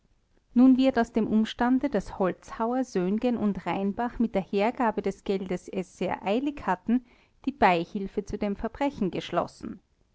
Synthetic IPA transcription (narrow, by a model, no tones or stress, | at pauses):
nuːnvɪɐtaʊsd̥eːmʔʊmʃtandədashɔlt͡shaʊɐzøːnɡənʊntʁaɪnb̥aχmɪt̚d̥eːɐheːɐɡaːbədɛsɡ̥ɛldəsɛsz̥eːɐʔaɪlɪçhatn̩ | d̥iːb̥aɪhɪlfət͡sudeːmfɛɐbʁɛçn̩ɡəʃlɔ̰sn̩